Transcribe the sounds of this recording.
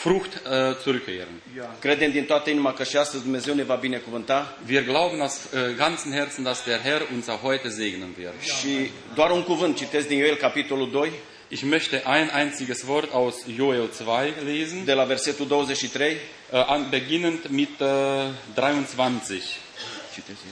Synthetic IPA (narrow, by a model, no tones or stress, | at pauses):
frʊxtt͡suʁʏkʰːḛːʁən | kɾed̪emd̪int̪oat̪əinimakəʃiast̪əzd̪umne̞ze̞wne̞vabine̞kuvɨnt̪a | viːɐɡlaʊbən̩asɡant͡sn̩hɛɐt͡sn̩d̥asd̥eːʁɦɛʁʊnsaxhɔʏtəzeːɡnənvɪɐtʃi | d̪oaɾuŋkuvɨnt̪̚t͡ʃit̪e̞zd̪injoelkapit̪o̞luld̪o̞j | ʔɪçmœçtəʔaɪnʔaɪnt͡sɪɡəsvɔʁtaʊsjoelt͡sv̥aɪleːzn̩d̪e̞laverse̞t̪uld̪o̞wəzet͡ʃʃit̪ɾe̞j | ʔabəɡɪnəntmɪt | dʁaɪʊnt͡sv̥ant͡sɪç